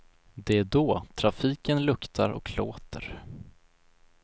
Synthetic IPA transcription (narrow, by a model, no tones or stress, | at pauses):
d̪ɛæɖoːt̪ʰɾafiːkənlɵkt̪ʰaɾʔɔ̰kloːt̪ʰə̰ɾ